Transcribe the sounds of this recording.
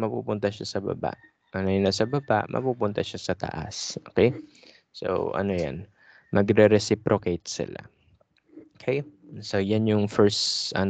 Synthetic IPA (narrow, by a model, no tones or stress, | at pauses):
mɐpṵːpʊnt̪ɐʃasɐbɐ̰ba̰ʔ | ʔɐnojɪnasɐbɐba̰ʔmʔɐ̰puːpʊnt̪ɐʃasɐt̪ɐ̰ʔa̰sʔo̰ːkɛj | so̰wʔɐ̰no̞ja̰n | mɐɡɾɛɾɛsɪpɾokejt̪̚sɪ̰la̰ | okʰɛjsojanjʊŋfɛɹsɐ̰n